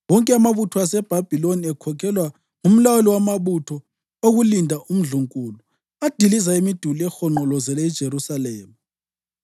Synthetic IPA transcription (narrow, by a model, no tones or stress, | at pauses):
wɔŋkʼɛamaβutʰɔasɛb̥ʱab̥ʱiloniɛkʰɔkʰɛlwa | ŋum̩lawuliwamaβutʰɔ | oɣulindʱaʔum̩ɮuŋkʼuːlu | ad̥ʱilizaemid̥ʱuliɛxɔŋ͡ǃɔlɔzɛlɛd̥ʒ̥ʱeɾusalɛːma